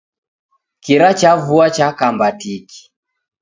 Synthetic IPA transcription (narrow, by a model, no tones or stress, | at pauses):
kiɾat͡ʃavuat͡ʃakambatiki̥